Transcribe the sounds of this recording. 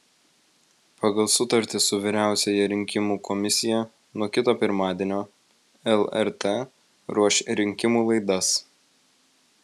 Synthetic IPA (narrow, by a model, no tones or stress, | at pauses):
pɑɡɐlˠsʊt̪ɐɾʲt̪ʲɪsʊʋʲɪɾʲæˑʊsʲɛjɛɾʲɪŋʲkʲɪmuːkɔmʲɪsʲɪjɛ | nuɔkʲɪt̪oːpʲɪɾmɑːd̪ʲiɛnʲoː | ɛlˠɛɾt̪ɛ | ɾuɔʃʲɾʲɪŋʲkʲɪmuːlˠɐɪd̪ɐs